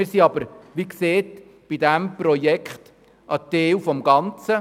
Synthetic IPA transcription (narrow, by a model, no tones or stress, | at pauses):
ɪɾsiɑbəɾʋikseːt | b̥idæmpɾɔjɛkχt | ʔɑteːwfɔmɡɑnt͡sə